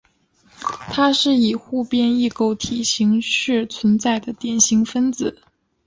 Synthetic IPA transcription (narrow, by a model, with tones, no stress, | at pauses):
t̪ʰa˥ʂɻ̩˥˩i˨˩xu˥˧pjɛ˥˧ni˥˩ko˥˩ʊt̪ʰi˨˩ɕi˧˥ŋɕy˥˩t͡sʰwə˧˥nt͡sa˥˩ɪd̪ə˩t̪jɛ˨˩nɕi˧˥ŋfə˥nt͡sɹ̩˨˩˦